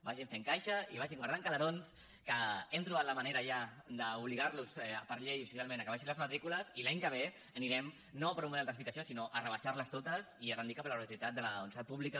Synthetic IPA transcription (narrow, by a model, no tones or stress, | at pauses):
baʒiɱfeŋkajʃəiβaʒiŋɡwaɾðaŋkələɾons | kəɛmt̪ɾuβat̪ləmɐneɾəʒa | d̪əuβliɣaɾlusɛpəɾʎejufisjalˠmẽnəkəβaʃinləzmət̪ɾikuləzilaɲkəβ̞e | əniɾɛm | nopəɾumuðɛlˠd̪əs̬ifikəsiosinoʔərəβaʃaɾləst̪ot̪əsiərənd̪ikapləɾət̪uit̪at̪d̪ələunsapuβlikə